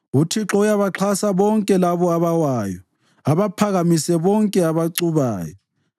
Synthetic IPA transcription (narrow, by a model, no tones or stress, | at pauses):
utʰiǁɔujaβaǁʰasaβɔŋkʼɛlaβɔaβawaːjɔ | aβapʰaɣamisɛβɔŋkʼɛaβaǀuβaːjɔ